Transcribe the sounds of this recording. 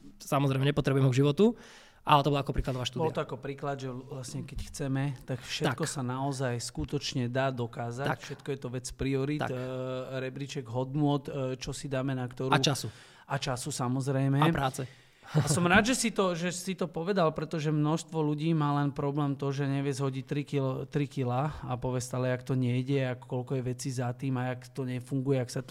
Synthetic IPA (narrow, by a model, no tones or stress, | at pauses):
samɔzɾɛmɛɲɛpɔt̪ɾɛbujɛmɛɡʒiʋɔt̪u | ʔalɛt̪ɔbɔlakɔpɾiːklad̪ɔʋaʃt̪ubɔlt̪ɔakɔpɾiːklad̪ʒɛlasɲɛkɛcxt͡sɛmɛt̪akfʃɛt̪t̪̚kɔsanaɔzajskut̪ɔt͡ʃɲɛd̪aːd̪ɔkaːzafʃɛt̪kɔjɛt̪ɔʋɛt͡spɾiɔɾiːt̪a̰ɾɛbɾit͡ʃɛɡɦɔd̪nʊɔt̪t͡ʃɔsid̪aːmɛnakt̪ɔɾuat͡ʃasu | at͡ʃasusamɔzɾɛjmɛpɾaːt͡sɛ | assɔmɾaːd̪ʒɛsit̪ɔʒɛsit̪ɔpɔʋɛd̪alpɾɛt̪ɔʒɛmnɔʃst̪ʋɔluɟiːmaːlɛnpɾɔblɛːmt̪ɔʒɛɲɛʋɪɛzɦɔɟict̪ːɾikilɔt̪ɾikilaapɔʋɛst̪alɛakt̪ɔɲɛjɟɛakːɔlkɔjɛʋɛt͡siːzat̪iːmajakt̪ɔɲɛfuŋɡujɛaksat̪ɔ